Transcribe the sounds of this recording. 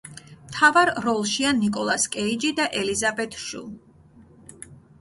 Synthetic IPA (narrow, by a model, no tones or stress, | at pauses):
mt̪ʰavaɾɾɔlˠʃianikʼɔlˠaskʼɛid͡ʒid̪aʔɛlizabɛt̪ʰʃṵlˠ